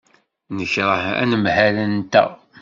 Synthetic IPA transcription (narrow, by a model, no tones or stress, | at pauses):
nəçɾˤəhæ̰nəmhælənt̪æ̰